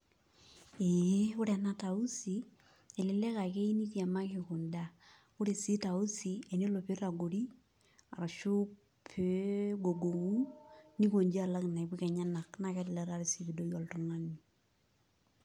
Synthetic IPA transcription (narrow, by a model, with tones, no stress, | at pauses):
e˨˦kʊ˦ɾa˨na˦ta˨u˦si˨ | ɛ˨lɪ˦lɛ˦ka˨ke˦i˦ni˦tja˨ma˦kɪ˨kʊ˨nda˦ | kʊ˦ɾe˨si˦ta˨u˦si˨e˨ne˦lo˨pe˦ɾa˨ɡo˨ɾi˦ | a̰˨ɾa˨ʃʊ˦ | pʰe˦ɡo˨ɡo˨ŋu˦ni˦ko˨ɲd͡ʒi˦a˦˨la˦kɪ˨na˨i˨bi˦kɛ˨ɲa˦na˨kna˨kɛ˨˦lɪ˨lɛ˦ɾa˦ɾɪ˦si˨bi˨do˦jɔ˨ltʊ˦ŋa˦ni˨